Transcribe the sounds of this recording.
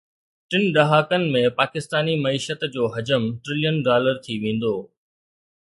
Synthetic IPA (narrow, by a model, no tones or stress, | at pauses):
ʈɪnɖɐɦaːkənɪ̆mẽpaːkɪst̪aːnimɐiːʃət̪d͡ʑoːɦɐd͡ʑəmʈɾɪlijənɖaːləɾt̪ʰiʋẽːn̆d̪oː